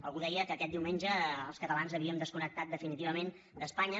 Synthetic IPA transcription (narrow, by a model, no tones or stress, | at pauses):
ə̰lˠɣuðɛjəkəːkɛt̪d̪iwmenʲʒəːlˠskət̪əlanzəβ̞iəmd̪əskunək̚t̪at̪̚d̪əfinit̪iβəmen | d̪əspaɲə